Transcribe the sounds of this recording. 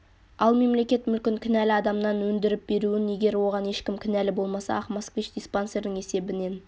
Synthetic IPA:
ɑlˠme̞mle̞kʲe̞t̪mʏlkʲɪŋkʲʰɪnælɪɑd̪ɑmnɑnwɵnd̪ɪɾɪp̚be̞ɾuwɪne̞ɡʲe̞ɾwo̞ʁɑne̞ʃkʲɪmkʲʰɪnælɪbo̞lˠmɑsɑ̰ɑχmaskvʲit͡ʃd̪isponse̞ɾd̪ɪŋe̞se̞bɪne̞n

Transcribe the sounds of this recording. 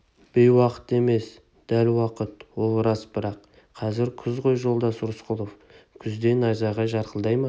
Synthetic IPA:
b̥ejwɑqə̥t̪e̞me̞s | d̪̥ælwɑqət̪wo̞lˠɾɑsb̥ɪɾɑq | qʰɑzɪɾkʲʰʏzqojʒo̞lˠd̪ɑsʊɾsqʊlˠof | kʲʰʏzd̪e̞nɑjzɑʁɑʒɑɾqəlˠd̪ɑjmɑ

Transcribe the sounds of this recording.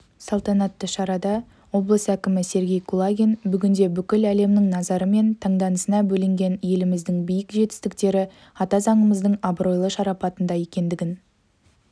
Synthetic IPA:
sɑlˠt̪ɑnɑt̪ːəʃɑɾɑd̪ɑ | wo̞blˠəsækʲɪmɪse̞ɾɡʲe̞jkʰulˠaɡʲenbʏɡʲɪnd̪e̞bʏkʲɪlæle̞mnɪŋnɑzɑɾəme̞nt̪ʰɑɴd̪ɑnəsənɑbɵlɪŋɡʲe̞nje̞lɪmɪzd̪ɪŋbijɪkʒe̞t̪ɪ̥st̪ɪkt̪e̞ɾɪ | ɑt̪ɑzɑɴəməzd̪əɴɑbɾo̞jlˠəʃɑɾɑpɑt̪ənd̪ɑje̞kʲe̞nd̪ɪɡʲɪn

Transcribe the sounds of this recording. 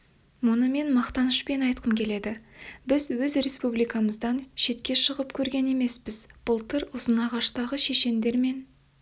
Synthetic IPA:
mʊnəme̞nmɑqt̪ɑnəʃpe̞nɑjt̪qʰəmkʲʰe̞le̞d̪ɪbɪzwɵzre̞spublijkaməzd̪ɑnʃe̞t̪kʲe̞ʃəʁəpkʲʰɵɾɡʲe̞ne̞me̞spɪzb̥ʊlˠt̪ʰəɾʊzənɑʁɑʃt̪ɑʁəʃe̞ʃe̞nd̪e̞ɾme̞n

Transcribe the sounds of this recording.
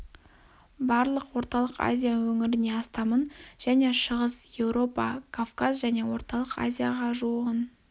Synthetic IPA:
bɑɾlˠəqwo̞ɾt̪ɑlˠəqa̰zʲijawɵŋɪɾɪne̞ɑst̪ɑmənʒ̥æne̞ʃəʁəsje̞wɾo̞pɑ̰kʰafkazʒæne̞wo̞ɾt̪ɑlˠəqa̰zʲijaʁɑʒuəʁən

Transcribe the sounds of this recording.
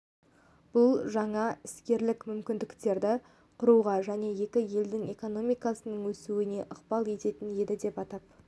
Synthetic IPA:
b̥ʊlˠʒɑɴɑɪskʲe̞ɾlɪkmʏmkʲɪnd̪ɪkt̪e̞ɾd̪ɪ | qʰʊɾuʁɑʒæne̞je̞kʲɪje̞ld̪ɪŋe̞ko̞no̞mijkɑsənəɴwɵsuɪne̞ʔəqbɑlˠe̞t̪e̞t̪ɪnje̞d̪ɪd̪e̞pɑt̪ɑp̚

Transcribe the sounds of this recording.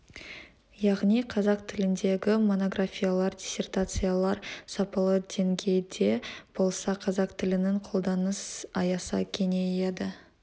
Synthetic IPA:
jɑʁnijqʰɑzɑq̚t̪ʰɪlɪnd̪e̞ɡʲɪmo̞no̞ɡɾafʲijalˠɑɾd̪ʲisʲe̞rt̪at̪sɨjalˠɑɾsɑpɑlˠəd̪e̞ŋɡʲe̞jd̪e̞b̥o̞lˠsɑqʰɑzɑq̚t̪ʰɪlɪneɴqʰo̞lˠd̪ɑnəsɑjɑsɑ̰kʲʰe̞need̪ɪ

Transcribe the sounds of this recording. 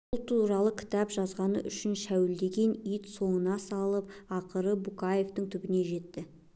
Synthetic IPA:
bbʊlˠt̪ʰuɾɑlˠəkʲʰɪ̥t̪ɑpʒɑzʁɑnə̰ʔʏ̰ʃɪnʃæwɪld̪e̞ɡʲe̞nijt̪so̞ɴənɑsɑlˠəp̚ɑqəɾəbukɑje̞ft̪əɴt̪ʰʏbɪne̞ʒe̞t̪ːɪ

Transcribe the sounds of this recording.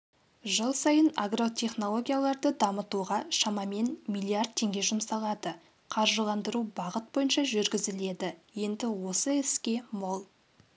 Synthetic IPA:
ʒəlˠsɑjəna̰ɡro̞t̪ʰe̞χno̞lˠo̞ɡʲijalˠɑɾd̪əd̪ɑmət̪uʁɑʃɑmɑme̞nmilʲˠiard̪̚t̪ʰːe̞ŋɡʲe̞ʒʊmsɑlˠɑd̪ə | qʰɑɾʒəlˠɑnd̪əɾubɑʁət̪̚bo̞jənʃɑʒʏɾɡʲɪzɪle̞d̪ɪje̞nd̪ɪwo̞səɪskʲe̞molˠ

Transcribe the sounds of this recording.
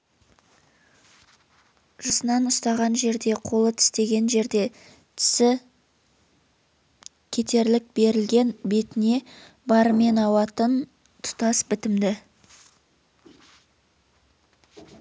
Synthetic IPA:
ʒ̥ɑsənɑnʊst̪ɑʁɑnʒe̞ɾd̪e̞qʰo̞lˠət̪ʰɪ̥st̪e̞ɡʲe̞nʒe̞ɾd̪e̞ | t̪ʰɪ̥sɪ | kʲʰe̞t̪e̞ɾlɪk̚be̞ɾɪlɡʲe̞nbe̞t̪ɪne̞ | bɑɾəme̞nɑwɑt̪ən | t̪ʰʊ̥t̪ɑsbɪt̪ɪmd̪ɪ

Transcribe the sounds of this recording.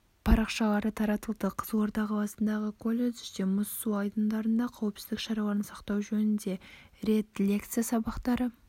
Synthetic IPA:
pʰɑɾɑqʃɑlˠɑɾət̪ʰɑɾɑt̪əlˠd̪əqʰəzwo̞ɾd̪ɑqɑlˠɑsənd̪ɑʁəkʰolʲˠed̪emʊsːuɑjd̪ənd̪ɑɾənd̪ɑqʰɑwəpsɪzd̪ɪkʃɑɾɑwˠɑnənsɑqt̪ɑwʒɵnɪnd̪e̞ɾe̞t̪lʲekt̪sijasɑbɑqt̪ɑɾə

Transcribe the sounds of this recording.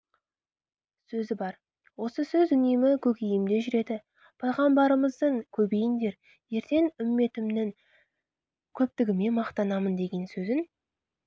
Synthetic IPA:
sɵzɪbɑɾ | wo̞səsɵzʏnemɪkʲʰɵkʲejɪmd̪e̞ʒʏɾe̞d̪ɪ | pʰɑjʁɑmbɑɾəməzd̪əŋkʲʰɵbe̞jɪnd̪e̞ɾ | je̞ɾt̪e̞ŋʏmːe̞t̪ɪmnɪŋ | kʲʰɵp̚t̪ɪɡʲɪme̞nmɑqt̪ɑnɑmənd̪e̞ɡʲe̞nsɵzɪn

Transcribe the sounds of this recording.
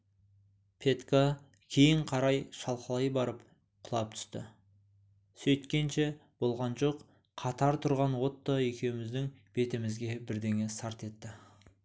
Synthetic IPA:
pʰe̞t̪ka | kʲʰe̞jɪɴqʰɑɾɑjʃɑlˠqəlˠɑjbɑɾəp | qʰʊlˠɑp̚t̪ʰʏ̥st̪ɪ̰ | sɵjt̪kʲe̞nʃe̞b̥o̞lˠʁɑnʒo̞q | qʰɑt̪ɑɾt̪ʰʊɾʁɑnwo̞t̪ːɑe̞kʲe̞wɪmɪzd̪ɪŋb̥e̞t̪ɪmɪzɡʲe̞bɪɾd̪e̞ŋesɑɾt̪e̞t̪ːɪ

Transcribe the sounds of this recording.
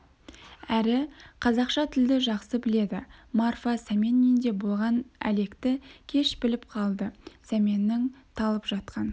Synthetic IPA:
æɾɪqʰɑzɑqʃɑt̪ʰɪld̪ɪʒɑqsəbɪle̞d̪ɪ̰marfɑsæmʲe̞nːijnd̪e̞bo̞lˠʁɑnæ̰le̞kt̪ɪkʲʰe̞ʃbɪlɪp̚qʰɑlˠd̪əsæme̞nːɪŋt̪ʰɑlˠəpʒ̥ɑt̪̚qɑn

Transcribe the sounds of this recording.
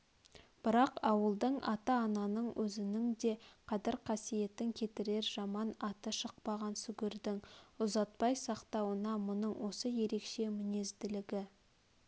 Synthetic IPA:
b̥ɪɾɑqɑwəlˠd̪əɴʔɑ̰t̪ɑːnɑnəɴwʔɵzɪnɪŋd̪e̞qʰɑd̪ɪɾqʰɑsije̞t̪ːɪŋkʲʰe̞t̪ɪɾe̞ɾʒɑmɑnɑt̪əʃəq̚pɑʁɑnsʏɡʲɪɾd̪ɪŋʊzɑt̪̚pɑjsɑqt̪ɑwənɑmʊnəɴwo̞səje̞ɾe̞kʃe̞mɪne̞zd̪ɪlɪɡʲɪ

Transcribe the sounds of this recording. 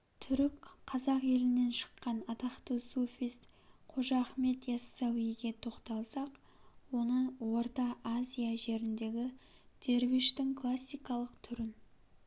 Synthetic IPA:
t̪ʰʏɾɪkqʰːɑzɑqje̞lɪne̞nʃə̥qːɑnɑt̪ɑχt̪əsofijst̪qʰo̞ʒɑχme̞t̪jasːawijɡʲe̞t̪ʰo̞qt̪ɑlˠsɑq | wo̞nəwo̞ɾt̪ɑʔazʲijaʒe̞ɾɪnd̪e̞ɡʲɪd̪̥e̞ɾviʃt̪ɪŋkʰlˠasʲːijkɑlˠəqt̪ʰʏɾɪn

